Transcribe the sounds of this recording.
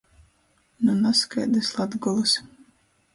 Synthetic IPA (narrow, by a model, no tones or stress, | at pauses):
nunaskajd̪ɨslˠad̪ɡɔlˠɨs